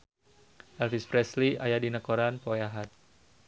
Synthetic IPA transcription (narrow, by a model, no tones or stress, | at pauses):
ʔɛlfispɾɛsliajadinakoɾanpɔjaɦat̪̚